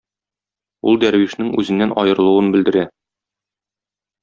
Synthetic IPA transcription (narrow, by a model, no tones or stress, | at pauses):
ulˠd̪æɾwiʃnɘŋʉ̰zɘ̆nːænʔɒjɤ̆ɾɤ̆lˠuwɤnbɘ̆ld̪ɘ̆ɾæ